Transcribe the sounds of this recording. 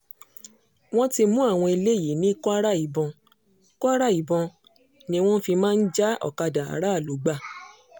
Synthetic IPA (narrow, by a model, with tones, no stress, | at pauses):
w̃ɔ̃˦ti˧mũ˦a˦˨w̃ɔ̃˧i˧le˦˨ji˨˦nĩ˦kɔ˦a˦ɾa˦i˨˦bɔ̃˧ | kɔ˦a˦ɾa˦˨i˨bɔ̃˧ | nĩ˦w̃ɔ̃˦fi˧mãː˦n̩˦d͡ʒa˦ɔ̰˨ka˧dã˨a̰˨˦ɾa˦a˦˨lo˨˦ɡ͡ba˦˨